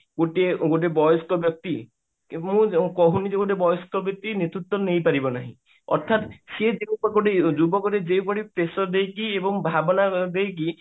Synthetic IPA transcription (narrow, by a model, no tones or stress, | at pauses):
ɡoʈeɡoʈ̬ebɔjɔskɔbjɔk̚t̪i | mũkɔɦunid͡ʒeɡoʈebɔjɔskɔbjɔk̚t̪inet̪ɾut̪ːwɔnejpaɾibɔnaɦḭ̃ | ɔ̰ɾt̪ʰat̪sed͡ʒeupɔɡoʈed͡ʒubɔkɔɾed͡ʒewpɔɽipɾesɔd̪ejkiebɔŋbʱabɔnad̪ejk̬i